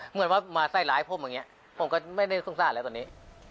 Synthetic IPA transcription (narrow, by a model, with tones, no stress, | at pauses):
mɯ˧˥ənwaː˧˥˩maː˧sa˥˩jlaː˨˦jpʰo˧˥˩mjaː˧ŋi˦˥ɐʔ | pʰo˩˦mkɔː˥˩ma˥˩jda˥˩jsu˥˩ŋsaː˥˩nlːt̪ːni˦˥